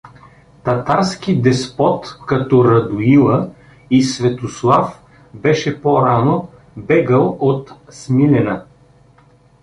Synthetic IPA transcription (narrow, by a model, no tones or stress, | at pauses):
t̪ɐt̪aɾsk̟id̪ɛspɔt̪kɐt̪ɔɾɐd̪ʊilˠə | isvɛt̪oslˠaf | bɛʃɛpoɾano | bɛɡəlˠot̪smilɛnə